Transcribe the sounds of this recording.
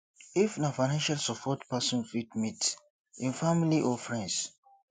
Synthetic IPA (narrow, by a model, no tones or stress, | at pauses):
ifnafajnãnʃalsɔpʰɔtpasɔ̃nfitmit | ĩnfamiliʔɔfɹɛ̃ns